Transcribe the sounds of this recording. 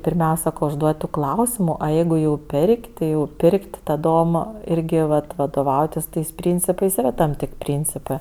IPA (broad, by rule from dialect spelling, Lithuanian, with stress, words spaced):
pʲɪrʲˈmʲɛʊsʲɛ ʊʒˈduɔtʲ tuː ˈklˠɐʊsʲɪmʊ oː ˈjɛɪɡʊ jɛʊ ˈpʲɛrʲkʲ tʲɪ jɛʊ ˈpʲɪrʲkʲtʲ tɐdoːm ˈɪrʲɡʲɪ ˈʋɐt ʋɐdoːˈʋɐʊtʲɪs ˈtɐɪs ˈpʲrʲiːnʲt͡sʲɪpɐɪs iːˈrɐ tɐm ˈtʲeːkʲ ˈpʲrʲiːnʲt͡sʲɪpɜ